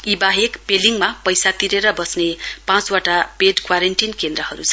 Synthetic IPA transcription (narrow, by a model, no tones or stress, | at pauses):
ibaɦekpeliŋmapʌjsat̪iɾeɾʌbʌsnepãt͡swaʈapeɖkwaɾeɳʈinkend̪ɾʌhʌɾut͡sʰʌ